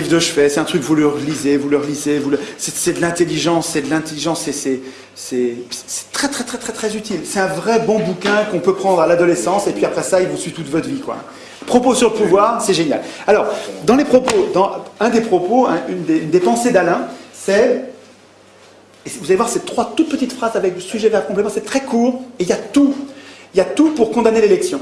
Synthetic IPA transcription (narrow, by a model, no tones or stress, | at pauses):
ivd̪əʃfɛsɛt̪ɛ̃t̪χykvuləʁəlizevuləʁəlizevuləsɛsɛd̪əlɛ̃t̪eliʒɑ̃sːɛd̪əlɛ̃t̪eliʒɑ̃sːɛsɛ | sɛsɛ̥sɛ̥t̪χɛt̪χɛt̪χɛt̪χɛt̪χɛzyt̪ilsɛt̪ɛ̃vʁɛbɔ̃bukʲɛ̃kɔ̃pøpχɑ̃d̪ʁalad̪ɔlesɑ̃sepɥiapχɛsailvusɥit̪ut̪vɔt̪χvikwa̰ɛ̰̃ | pχɔposyʁləpuvwaːʁsɛʒenja̰lalɔʁd̪ɑ̃lepχɔpod̪ɑ̃ɛ̃d̪epχɔpoɛ̰̃ynd̪eynd̪epɑ̃sed̪alɛ̃sɛ | evuzalevwaʁkset̪χwat̪ut̪̚pət̪it̪fχazavɛkləsyʒɛvɛʁkɔ̃p̬lɛt̪mɑ̃sɛt̪χɛkuːʁeiljat̪uiljat̪upuʁkɔ̃d̪anelelɛksjɔ̃